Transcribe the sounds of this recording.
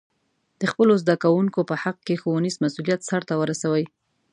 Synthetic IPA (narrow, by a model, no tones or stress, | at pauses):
d̪̥əxpəlozd̪akawuŋkopəhaq̚kexowanizmasulijat̪saɾt̪awəɾasawəj